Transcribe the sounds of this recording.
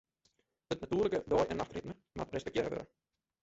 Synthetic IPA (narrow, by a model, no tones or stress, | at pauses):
dətnatyːrləkədɔːjʔɛnːaxtrɪtnə | ma̰trɛspɛk̚teːɾəvø̰ɾə̰